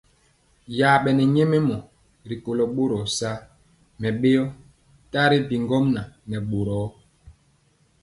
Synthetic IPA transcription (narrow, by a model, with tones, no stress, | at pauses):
jaː˨ɓɛ˨nɛ˨ɲe˦me˦mɔ˨ | ɾi˨ko˨lɔ˨ɓo˦ɾɔ˨sa˦ | mɛ˨ɓe˦ɔ˦ | ta˦ɾi˦bi˨ŋɡɔ˦mna˨nɛ˨ɓo˨ɾɔ˨˦